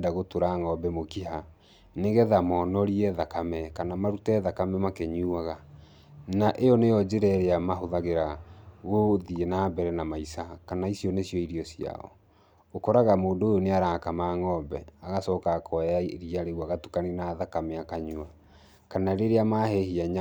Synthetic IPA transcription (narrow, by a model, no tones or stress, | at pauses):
daɣotoɾaŋɔbɛmokiɦa | neɣɛðamɔnɔɾiɛðakamɛkanamaɾutɛðakamɛmakeɲuaɣa | naʔejɔnejɔd͡ʑeɾɛɾeamaɦoðaɣeɾaɣoðienaːbɛɾɛnamaisakanaisjɔnesijɔiɾiɔsia̰ɔ̰ | okɔɾaɣamoːndojoneaɾakamaːŋɔbɛaɣasɔːkakʰɔaɾiaɾeɣwaɣatu̥kaninaðakamɛakaɲua | kanaɾeɾeamahehiaɲ